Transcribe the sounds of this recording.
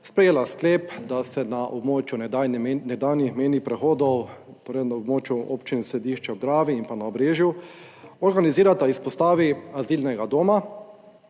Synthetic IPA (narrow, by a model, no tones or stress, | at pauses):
spɾɛjeːlaskleːpd̪asɛnaʔobmoːt͡ʃjunɛd̪aːwnixmeːnipɾɛxoːd̪ɔw | t̪oːɾɛjnaobmoːt͡ʃjuopt͡ʃinisɾɛd̪iːʃt͡ʃɛod̪ɾaːʋiimpanaobɾeːʒju | ɔɾɡaniziːɾat̪aispɔst̪aːʋiaziːlnɛɡad̪oːma